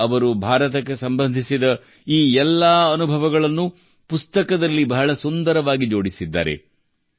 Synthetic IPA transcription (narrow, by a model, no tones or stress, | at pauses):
ɐʋɐɾubʱaːɾɐt̪ɐk̬ːesɐmbɐnd̪ʱisid̪ɐ | iːɛlːaːɐnubʱɐʋɐɡɐɭɐnːu | pust̪ɐkɐd̪ɐlːibɐɦɐɭɐsund̪ɐɾɐʋaːɡid͡ʒo̞ːɽisid̪ːa̰ːɾḛ